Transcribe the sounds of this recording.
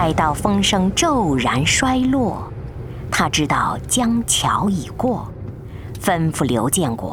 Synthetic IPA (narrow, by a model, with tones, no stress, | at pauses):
ɪt̪ɑ˥˩ʊfɤ˥ŋʂɤ˥ŋʈ͡ʂo˥˩ʊɻa˧˥nʂwa˥ɪlwɔ˥˩ | t̪ʰa˥ʈ͡ʂɻ̩˥t̪ɑ˥˩ʊt͡ɕjɑ˥ŋt͡ɕʰjɑ̰˧˥ʊi˨˩kwɔ˥˩ | fə˥nfu˥˩ljo̰˧˥ʊt͡ɕjɛ˥˩nkwɔ̰˥˩